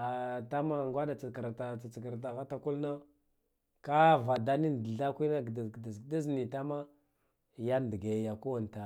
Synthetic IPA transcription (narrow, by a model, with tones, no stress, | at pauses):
a˨ta˦ma˦˨ŋɡʷa˦ɗa˨t͡sa˨kɾta˨t͡sa˨t͡skə˨ɾt̬a˨ɣa˦ta˨ku˦lna˦ | ka˦va˨da˦ni˦n˨dɮa˦kʷi˦na˦˨dda˨zda˦zni˨ta˦ma˦ | ja˦n˨də˨ɡa˨ja˨ku˦wa˨n˨ta˨